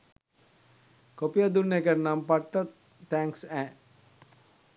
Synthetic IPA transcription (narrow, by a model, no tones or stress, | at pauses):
kopijad̪unːekəɾnampaʈːə | t̪ɛ̃ŋksɛ̃ː